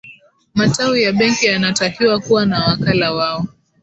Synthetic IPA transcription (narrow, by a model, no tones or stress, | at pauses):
matawijaɓɛŋkijanatakiwakuwanawakalawaɔ